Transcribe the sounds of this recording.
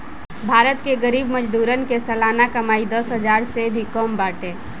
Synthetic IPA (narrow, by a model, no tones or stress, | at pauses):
bʱaːɾət̪keɡəɾiːbməd͡ʒd̪uːɾənkesəlaːnakəmaːid̪əsɦəd͡ʒaːɾsebʱikɔmbaːʈe